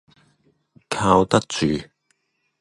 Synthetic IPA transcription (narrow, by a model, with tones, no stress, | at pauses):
kʰaː˧wt̪ɐ˥k̚t͡syː˨˩